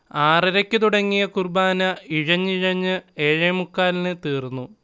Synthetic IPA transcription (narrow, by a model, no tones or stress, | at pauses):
aːriɾɐkʲːɨt̪uɽɐŋːijɐkurbaːnɐiɻɐɲːiɻɐɲːɨe̞ːɻɐjmukːaːlinɨt̪iːrnːu